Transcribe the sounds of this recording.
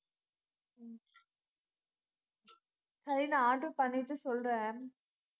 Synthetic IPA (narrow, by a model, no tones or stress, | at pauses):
sɐɾinaaːʈːɯpɐɳːɪʈːɯsɔlɾẽː